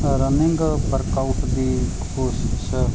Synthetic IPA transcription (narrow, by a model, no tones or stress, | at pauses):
ɾənɪŋɡbəɾkawuʈd̪iː | koːsɪ̥s